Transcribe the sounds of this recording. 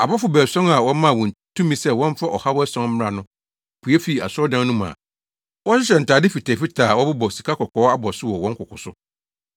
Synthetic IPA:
a˨bɔ˦fʊ˨bæː˨sɔ̃˦ŋa˨wɔ̃˦mã˦˨wɔ̃˨n˨tʰũ˦mĩ˦sɛ˦˨wɔ̃˦n˦fa˦ʔɔ˨ha˦wɔ˦æ˦sɔ̃˦nm̩˦m˦a˨nʊ̃˦ | pʰu˨ɛ˦fi˨a̰˨sʊ˦ɔ˦dã˦n˦nũ˦mã̰˨ | wɔ˦ɕɪ˦ɕ̬ɛ˨n̩˨taː˨dɪ˦fi˨tʰɛː˨fi˦tʰaː˨wɔ˦bʊ˦bɔ˨si̥˨kʰa˦kɔ˨kʰɔː˨˦a˦bɔ˨sʊ˦wɔ˨wɔ̃˦ŋ̩˦kʰʊ˨kʊ˨sʊ̰˦

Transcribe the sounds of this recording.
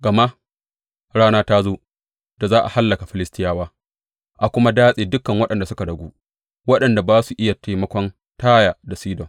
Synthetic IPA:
ɡɐ˨ma˦ʔ | ɽaː˦naː˦taː˦zoː˦ | d̥a˨zaː˦ʔa˨ha˦lːɐ˨ka˨ɸɪ˦lɪ˦stɪ˦jaː˦waː˦ | ʔa˨kʷʊ˦ma˦daː˦sʼeː˨dʊ˦kːɐ˨ŋwɐ˦ɗɐ˨nda˨sʊ˦ka˨dɐ˨ɡʷuː˦ | wɐ˦ɗɐ˨nda˨baː˦su˨ʔɪ˦ja˨ta˦mɐ˦kʷɔ˦n | taː˦jaː˨da˨siː˦dɔ˨ŋ

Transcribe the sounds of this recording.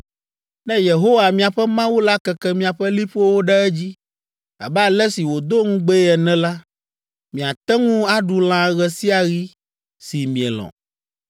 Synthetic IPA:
nɛ̃˦je˨ɦo˦wa˨mĩ˦a˨ɸɛ˦mã˦wu˦la˦kɛ˨kɛ˦mĩ˨a˨ɸɛ˦li˦ɸo˦wo˦ɖɛ˦ɛ˦d͡ʑi˦ | a̰˨bɛ˦a˨lɛ˦si˨wo˨d̪o˦ŋũ˦ɡ͡be˦ɛ˨nɛ̃˦la˦ | mĩ˨a˨t̪ɛ˦ŋũ˦a˦ɖu˨l̃ã˨ɣɛ˨si˦a˨ɣi˦ | si˨mĩ˨ɛ̰˨lɔ̰̃˨

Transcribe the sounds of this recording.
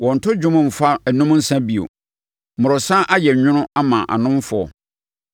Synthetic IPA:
wɔ̃˨n̩˨tʰʊ˦d͡ʑᶣʊ̃˦mʊ̃˨m̩˨fa˦æ˨nũ˦m˦n̩˦sã˦bi˨o̰˨ | mʊ̃˨ɾʊ˨sã˦ʔa˦jɛ˨ɲʊ̃˦nʊ̃˦a˦mã˨ʔa̰˨nʊ̃˦m˦fʊ˨˦ɔ̰˨

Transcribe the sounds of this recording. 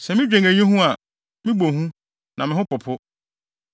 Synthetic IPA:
sɛ˨mɪ̃˦d͡ʑᶣẽ˨ŋæ˨ɲĩ˦ɦũ˦a˨ | mɪ̃˦bo˨ɦũ˦ | nʔã˨mɪ̃˦ɦʊ̃˦pʊ˨pʰʊ˦

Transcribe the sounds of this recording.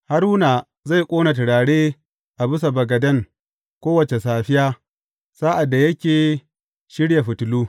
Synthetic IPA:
ha˦ɾuː˦naː˨ | za˦˨jkʷʼoː˦na˨tɪ˨ɽaː˨ɽeː˦ | ʔa˨bɪ˦sa˨bɐ˨ɡɐ˨dɐ˦ŋ | kʷoː˦wɐ˨t͡ʃe˨saː˨ɸɪ˦jaː˦ | saː˦ʔa˨dːa˨jɐ˦kʲeː˨ | ʃɪ˦ɽja˨ɸʊ˨tʊ˨luː˦

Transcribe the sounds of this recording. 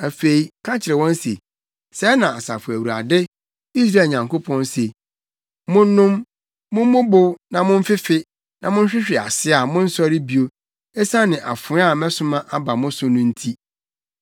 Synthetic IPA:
æ˨fe˨i˨kʰã˦t͡ɕʰɪ˨ɾɛ˨wɔ̃˦nsḛ˨ | sɛ˦nã˨a˨sa̰˨fʊ˨æ˨wu˨a̰˨dɪ˦ | i˦s̬ɾa˦˨ɲã˨ŋko˦pʰɔ̃˦nse˨ | mʊ̃˦nː˦ʊ̃˦mː | ʊ̃˦m˦mʊ̃˦bʊ˦wnã˨mʊ̃˦m̩˦fɪ˦fɪ˦ | nã˨mʊ̃˦n˦ɕᶣɪ˦ɕᶣɪ˨a̰˨sɪ˦a˨mʊ̃˦n̩˦sɔ˦ɾɪ˦bi˦o˦ | ɛ˦sa˦nɪ̃˨ʔa̰˨fʊ˨˦a˦˨mɛ̃˦sʊ̃˦mã˦ʔa˦ba˨mʊ̃˦sʊ̃˦nʊ̃˦n̩˦tʰi˦

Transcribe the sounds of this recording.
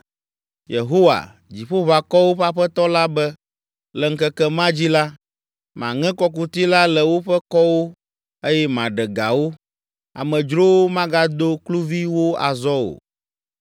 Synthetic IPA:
jḛ˨ɦo˦wa̰˨ | d͡ʑi˨ɸo˦βa˨kɔ˦wo˦ɸa˦ɸɛ˦t̪ɔ˦la˦bɛ˦ | lɛ˨ŋ̩˦kɛ˦kɛ˦mã˦d͡ʑi˦la˦ | mã˨ŋɛ̃˦kɔ˦k̬u˨t̪i˦la˦lɛ˨wo˦ɸɛ˦kɔ˦wo˦ | e˦jɛ˦mã˨ɖɛ˨ɡa˨wo˦ | a̰˨mɛ̃˨d͡ʒɾo˦wo˦mã˦ɡa˦d̪o˦klu˦vi˦wo˦a̰˨zɔ˦o̰˨

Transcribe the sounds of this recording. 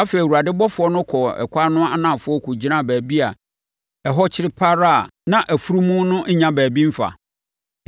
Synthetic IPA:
a˦fe˨i˨wu˨ɾa˨dɪ˦bɔ˦fʊ˨˦ɔ˦nʊ̃˦kʰɔ˨ɛ̰˨kʷa˦nʊ̃˦a˦nã˦˨fʊ˦ɔ˦kʰu˨d͡ʑi˦nã˦˨bæː˨bi˦a˨ | ɛ˨ɦɔ˦t͡ɕʰɪ˦ɾɪ˦pʰa˦ɾa˦˨nã˦ʔæ˨fu˦ɾu˦mũ˦nʊ̃˦ɲ̩˦ɲã˦bæː˨bĩ˦m̩˦fa̰˨

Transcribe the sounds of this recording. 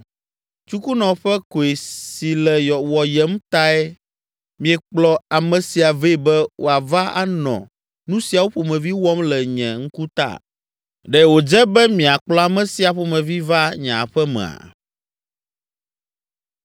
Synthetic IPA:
t͡ʃu˦ku˦nɔ̃˨ɸɛ˦ko˨e˨si˨lɛ˨jɔ˨wɔ˨jɛ˦m˦t̪a˦ɛ˦ | mĩ˨ɛ˨k͡plɔ˦a˨mɛ̃˨si˨a˨ve˦˨bɛ˦wʔo̰˨a˨va˦a̰˦nɔ̰̃˨ | nũ˦si˨a˨wo˦ɸo˨mɛ̃˨vi˦wɔ˦mlɛ˨ɲɛ̃˨ŋ̩˦ku˦t̪a̰˦˨ | ɖɛ˨wo˨d͡ʒɛ˦bɛ˦mĩ˨a˨k͡plɔ˦a˨mɛ̃˨si˦a˨ɸo˨mɛ̃˨vi˦va˦ɲã˨ɸɛ˦mɛ̰̃˨a̰˨

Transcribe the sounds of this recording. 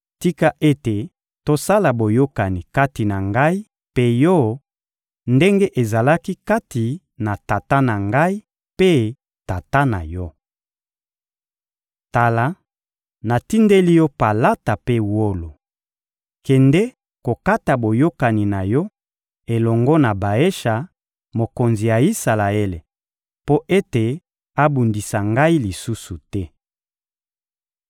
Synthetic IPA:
ti˦ka˦ʔe˦te˨ | to˦sa˦la˨bo˨jo˦ka˨ni˨ka˦ti˨na˨ŋɡa˦i˦ | pe˦jɔ˦˨˦ | nde˦ŋɡe˦ʔe˨za˨la˦ki˦ka˦ti˨ | na˨ta˨ta˦na˨ŋɡa˦i˦ | pe˦ | ta˨ta˦na̰˨jɔ˦ | ta˨la˨ | na˨ti˦nde˦li˦jɔ˦pa˨la˦ta˨pe˦wo˦lo˨ | kɛ˨ndɛ˦ | ko˨ka˦ta˨bo˨jo˦ka˨ni˨na˨jɔ˦ | e˨lɔ˨ŋɡɔ˦na˨ba˨e˦ʃa˨ | mo˨ko˨nzi˨ja˨i˦sa˨la˨e˦le˨ | po˦ʔe˦te˨ | a˦bu˨ndi˨sa˨ŋɡa˦i˦li˨su˦su˨tɛ˦

